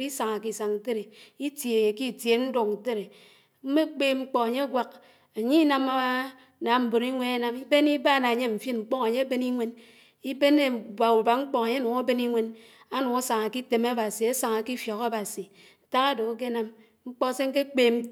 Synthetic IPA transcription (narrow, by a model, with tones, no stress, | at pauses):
i˦sa˨ŋa˨ki˨sa˨ŋn̩˨te˦ɾe˨i˦tje˨e˨ki˦˨tje˨n̩˦do˨kn̩˨te˦ɾe˨ | m̩˦me˦k͡peː˦ŋ͡m̩˦k͡pɔ˦a˨ɲe˦a˦ɡʷa˦k̚ | e˨ɲi˦na˦˨ma˦ | na˨m̩˨bo˨ɾi˦ŋʷe˦ne˦na˦mi˦be˦ni˦ba˦˨na˨ɲe˦ɱ̩˨fi˦nŋ͡m̩˨k͡pɔ˦ŋa˨ɲe˦a˦be˦ni˦ŋʷe˦n | i˦be˦ne˦˨ba˨u˨ba˨ŋ͡m̩˦k͡pɔ˦ŋa˨ɲe˦nu˨ŋa˦be˦ni˦ŋʷe˦n | a˦nu˨ŋa˦sa˨ŋa˨ki˦te˨ma˦ba˨si˨e˦sa˨ŋa˨ki˦fjo˨ka˦ba˨si˨ | ta˦ka˦do˨˦k̬e˦na˦m | ŋ͡m̩˦k͡pɔ˦˨˦se˦ŋ̩˦ke˦k͡peː˦m̩˦